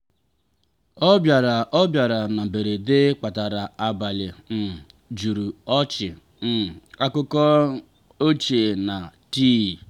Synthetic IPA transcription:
ɔ˦bja˨ɾa˨ɔ˦bja˨ɾa˨na˨be˨ɾe˨de˦k͡pa˨ta˨ɾa˨a˨ba˨lɪ˨m̩˨ | d͡ʒu˨ɾu˨ɔ˦t͡ʃɪ˨ | n̩˨a˦kʊ˦kɔ˦ | o˦t͡ʃe˨na˨ti˦˨

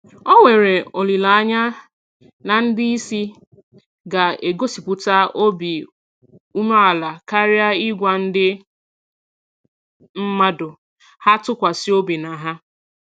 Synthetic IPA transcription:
ɔ˦ŋʷe˨ɾe˨o˨li˨la˨a˦ɲa˦ | na˨n̩˦dɪ˦i˦si˦ | ɡa˨e˨ɡo˦si˨pʊ˦ta˦o˦bi˨ | u˦ma˦a˨la˨ka˦ɾja˦ɪ˦ɡʷa˨n̩˦dɪ˦ | m̩˦ma˦dʊ˨ | ha˦tʊ˦kʷa˨si˦o˦bi˨na˨ɦa˦

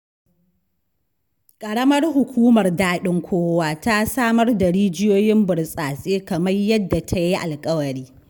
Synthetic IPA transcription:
kʼɐ˨ɽɐ˦mɐ˦rhʊ˨kʷuː˦mɐ˨rdaː˦ɗɪ˦ŋkʷʰoː˦waː˦ta˦saː˦mɐ˦rda˨ɽiː˦d͡ʒɪ˦joː˦jɪ˦mbʊ˨rsʼaː˨sʼeː˦kɐ˨mɐ˦rjɐ˦dːa˨tʰa˦ji˦ʔa˨lkʼɐ˦wɐ˨ɽiː˦

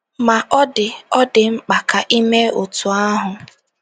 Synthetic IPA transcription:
ma˨ʔɔ˦dɪ˨ɔ˦dɪ˨ŋ͡m̩˦k͡pa˨ka˨ʔi˦me˦o˨tu˨a˦ɦʊ˨

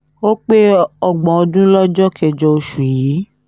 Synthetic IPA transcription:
o˦k͡pe˦ɔ˦ɡ͡bɔ̃˨ɔ˧dũ˦lɔ˦d͡ʒɔ˦kʰɛ˧d͡ʒɔ˧o˧ʃu˨ji˨˦

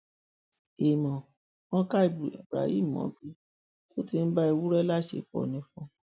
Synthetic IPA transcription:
e˨mɔ̃˨ | wɔ̃˦ka˦i˨bḭ˨bɾa̰˨hḭ˦˨m˨ɔ̰̃˨˦bi˧ | to˦ti˧n̩˦ba˦i˧wu˦ɾɛ˦la˦ʃḛ˦˨k͡pɔ̰˨nĩ˧˦fɔ̃˨˧

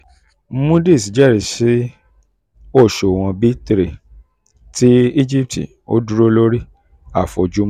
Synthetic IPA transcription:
mũ˦de˦˨si˨˦d͡ʒɛ˦˨ɾi˨si˨˦ | o˦˨ʃo˨w̃ɔ̃˧bi˦tɾe˨ | ti˦i˦d͡ʒi˦p̚tḭ˨ | o̰˦du˦ɾo˦lo˦ɾi˦ | a̰˦˨fo˨d͡ʒu˨˦m˦

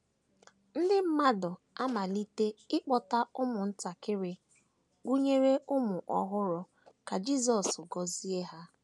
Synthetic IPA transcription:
n̩˦dɪ˦m̩˦ma˦dɔ˨ | a˦ma˨li˦te˦ɪ˦k͡pɔ˨ta˦ʊ˦mʊ˨n̩˦ta˨kɪ˦ɾɪ˦ | ɡʷu˦ɲe˦ɾe˦ʔʊ˦mʊ˨ʔɔ̰˦ɦʊ˦ɾʊ˨ | ka˨d͡ʒi˦˨zɔ˨sʊ˨ɡɔ˨zi˦e˦ɦa˦

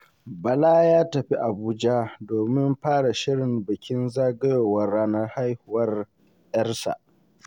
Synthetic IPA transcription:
bɐ˨laː˦jaː˦tɐ˨ɸi˦ʔa˨buː˦d͡ʒa˦doː˨mɪ˦mɸaː˦ɽa˨ʃɪ˦ɽɪ˨mbɐ˨kʲɪ˦nzaː˦ɡɐ˦jo˨wɐ˦rːaː˦nɐ˦rha˦jhʊ˦˨wɐ˦r | jɐ˦rsa̰˨ʔ

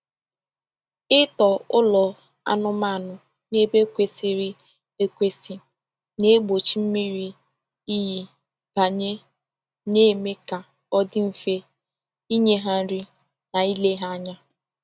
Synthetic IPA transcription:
ɪ˦tɔ˨ʊ˦lɔ˨ | a̰˦nʊ˦ma˦˨nʊ˨ | ne˦be˦kʷe˦si˨ɾi˦ | e˦kʷe˦si˦ | ne˦ɡ͡bo˨t͡ʃi˦m̩˦mi˦ɾi˦ | i˦ɦi˦ | b̥a˨ɲe˦ | ne˦me˦ka˨ | ɔ˦dɪ˦m̩˨fe˦ | i˦ɲe˦ɦa˦n̩˦ɾi˦ | na˨i˦le˦ɦa˦a˦ɲa˦

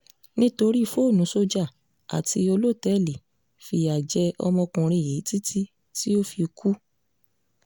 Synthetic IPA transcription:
nĩ˦to˧ɾi˦˧fo˦˨nũ˨˦so˧d͡ʒa˦˨ | a̰˨ti˧o˧lo˦˨tɛ˦˨li˨ | fi˧a˨d͡ʒɛ˧ɔ̰˧mɔ̃˧kũ˧ɾ̃ĩ˧˨je˨˦ti˦tʰi˦ | ti˦o˦fi˧kʰu˦

